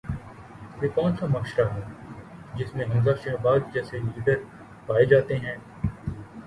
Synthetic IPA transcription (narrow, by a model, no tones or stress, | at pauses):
ʋeːkɔ̃ːnsamɐkʃɾaɦɛːd͡ʒɪsmẽɦɐmzaːʃɛɦbaːd̪d͡ʒɛːselid̪əɾ | paːed͡ʒaːt̪eɦɛ̃ː